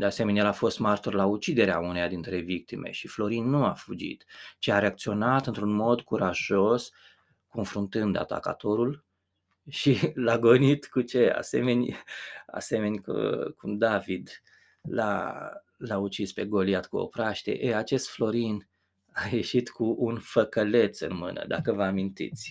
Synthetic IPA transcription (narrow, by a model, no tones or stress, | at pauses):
d̪ease̞me̞neelafo̞st̪mart̪orlaut͡ʃid̪e̞ɾeaunejad̪int̪ɾe̞vik̚t̪imʔe̞̰ʃiflo̞ɾinːuafud͡ʒḭt̪t͡ʃeaɾe̞ak̚t̪sio̞nat̪ɨnt̪ɾunmo̞d̪kuɾaʒo̞s | ko̞nfɾunt̪ɨnd̪a̰t̪a̰ka̰t̪o̞ɾul | ʃilaɡonit̪kut͡ʃe̞a̰se̞̰me̞nʲa̰se̞me̞nʲkkʰumd̪avid̪ | la̰ | laut͡ʃispe̞ɡo̞liat̪kuo̰pɾaʃt̪e̞̰ʔeat͡ʃe̞st̪flo̞ɾin | aje̞ʃit̪kuʔunfəkəle̞t̪sɨ̰nmɨ̰nə̰d̪a̰kəvəamint̪ḭt̪sʲ